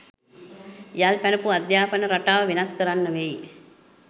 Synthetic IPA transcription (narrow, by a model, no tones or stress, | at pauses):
jalpænəpuad̪jaːpənəɾaʈaːʋəʋenaskəɾanːəʋej